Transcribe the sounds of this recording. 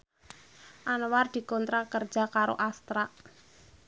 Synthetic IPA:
ʔanward̪̥i̤kɔnt̪ɾakər̥d͡ʒ̥a̤kaɾo̰ʔast̪ɾaʔ

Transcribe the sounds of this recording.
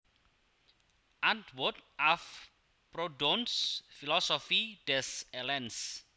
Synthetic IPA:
ãndwudaf | prɔdɔnsfilɔsɔfid̥ɛsɛlɛ̃ns

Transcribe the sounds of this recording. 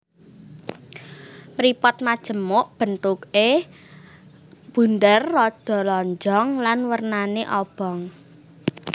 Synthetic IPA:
mɾipɔt̪̚mad̥ʒ̥ə̤mʊʔb̥ə̤nt̪uke | b̥ṳnd̪ərːɔd̪̥ɔ̤lɔɲd͡ʒɔŋlanwərnaneʔɔb̥ɔ̤ŋ

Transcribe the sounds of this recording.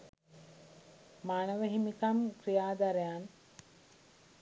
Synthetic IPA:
maːnəʋəɦimikamkɾijaːd̪aɾejan

